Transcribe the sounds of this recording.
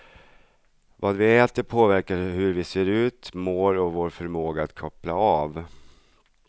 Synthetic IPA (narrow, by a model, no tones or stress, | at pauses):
vɑːd̪vɪɛːt̪əɾpʰoːvæɾkaɾhɵɾvɪseːɾʉ̟ːt̪moːɾɔvoːɾfœɾmoːɡaat̪kʰɔplaɑːv